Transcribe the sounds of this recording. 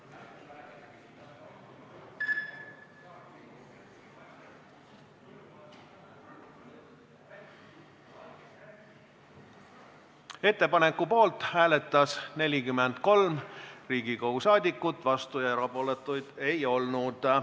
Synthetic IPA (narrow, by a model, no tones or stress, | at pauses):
e̞t̪ːe̞pɑne̞kːˑupo̞ːlt̪ˑhæːle̞t̪ːˑɑsne̞lʲikymːend̪̥ko̞lmriːɡ̥ikouwsɑːd̪ʲikːˑut̪ːˑvɑst̪ujɑeɾɑpoːlet̪ːˑujd̪̥e̞jo̞lnud̪̥